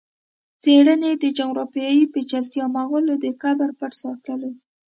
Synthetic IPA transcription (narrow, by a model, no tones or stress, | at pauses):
t͡seɽəned̪əd͡ʒaŋɾopjɑjiped͡ʒalt̪jɑmaɣolod̪əkabaɾpaʈsɑt̪əle